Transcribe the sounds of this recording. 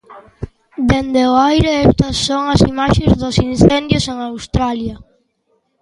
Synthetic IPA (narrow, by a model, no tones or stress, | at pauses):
d̪end̪eʊajɾeept̪ɐsːoŋasimaʃezðʊsin̟θend̪jʊseŋawst̪ɾaljɐ